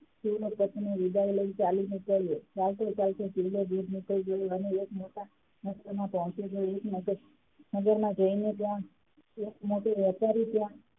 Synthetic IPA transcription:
sulopət̪neʋid̪ailəit͡ʃalinikəɭjet͡ʃalt̪ot͡ʃalted͡ʒilled͡ʒid̪niklid͡ʒəjoəneːkmoʈa | nəst̪əmãpɔɦt͡ʃid͡ʒojeknəɡəɾ | nəɡəɾmãd͡ʒəinet̪jã | ekmoʈiʋjəɾpaɾit̪jã

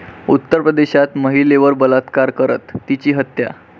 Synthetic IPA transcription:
ut̪ːəɾpɾəd̪eɕat̪məɦileʋəɾbəlat̪kaɾkəɾə̰t̪ːit͡ɕiːɦət̪ja̰

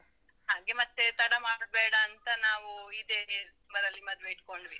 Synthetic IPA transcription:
ɦaːɡe̞mɐt̪ːet̪ɐɽɐmaːɽ̚beːɽɐːnt̪ɐnaːʋuid̪e | bɐɾɐlːimɐd̪ʋeiʈ̚ko̞ɳɖʋi

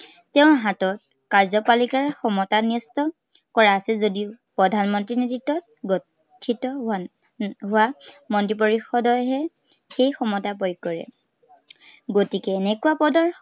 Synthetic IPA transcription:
tɛʊ̃ɦatɔt̚ | kaɹzɔpalikaɹxɔmɔtanɔstɔ | kɔɹaːsɛzodiʊpɹɔdʱanmɔntɹinitɹitːɔt̚ | ɡɔ | tʰːitɔ | ɦʊwamɔntɹipoɹixɔdɔjɦɛ | xejxɔmɔtapɔjkːɔɹɛ̰ | ɡotikɛːnɛkuwapɔdɔɹ

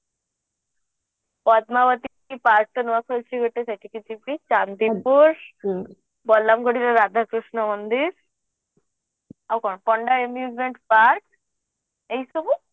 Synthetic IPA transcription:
pɔd̪maʋət̪i | ipaɾk̚t̪ənʋakʰəlt͡ʃʰiɡʱəʈːesaʈikit͡ɕipit͡ʃant̪ipuɾ | bɔlːamkɔɽiɾaɾad̪ʱakɾuʂɳɔmənd̪iɾ | awkɔɳpɔɳɖaemjud͡ʑmeɳʈpaɾk | eisubu

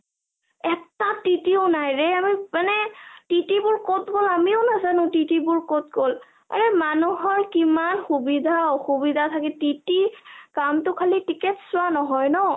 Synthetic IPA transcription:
ɛtatitiʊnajɹɛamimanɛtitibʊɹkotɡolamioʊnazanʊ̃titibʊɹkot̚ɡol | a̰ɹɛmanuɦɔɹkimanxubidʱaoxubidʱatʰakɛtitikamtʊkʰalitiketsʊanɔɦɔjnɔ

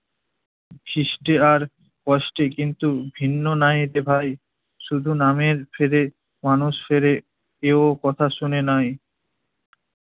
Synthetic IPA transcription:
kʰiʃʈeaɾ | kɔʃʈekint̪ubʱinːonajd̪ebʱaj | ʃud̪ʱunameɾfʰeɾe | manuʃfʰeɾe | eokɔt̪ʰaʃunenaj

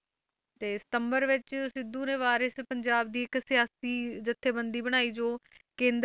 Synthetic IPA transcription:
t̪eːsɪ̥t̪əmbəɾʋɪt͡ʃsɪd̪ːũːnẽːʋaːɾɪspəɲd͡ʒaːb̚d̪iːɪksɪjaːsiːd͡ʒɪt̪ʰːeːbənd̪iːbəɽ̃aːiːd͡ʒoː | kẽːnd̪

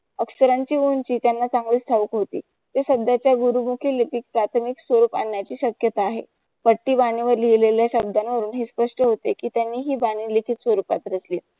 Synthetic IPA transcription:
əksəɾaɲt͡ɕiːunt͡ɕiːt̪janːat͡saŋɡliːst̪ʰaʋəkɦot̪iː | t̪eɕəb̚d̪at͡ɕjaɡuɾumukʰiːlipikpɾat̪ʰəmiksʋəɾuːpa̰ɳːjat͡ɕiːɕəkjət̪aːɦḛ | pəʈːiːbañiʋəɾlileljaɕəb̚d̪anʋəɾuːnɦiːspəʂʈəɦot̪ekiːt̪janːiːɦiːbaɽ̃iːlikʰit̪sʋəɾupa̰t̪ɾəsliː

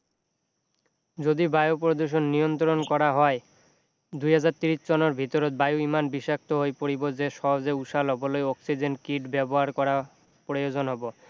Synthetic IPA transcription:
d͡ʑod̪ibajopɾod̪uɾʃ̬onːijont̪ɾonkɔɾaɦɔe | d̪ujɦad͡ʑaɾt̪iɾiʃt͡ɕɔnoɾbʱit̪oɾot̪̚bajoimanbiʃak̚t̪oɦoejpoɾibod͡ʑeʃɔɦod͡ʑeuʃalɔbolojɔksid͡ʑeɳʈkiʈbɛboɦaɾkɔɾa | pɾojod͡ʑonɦɔbo

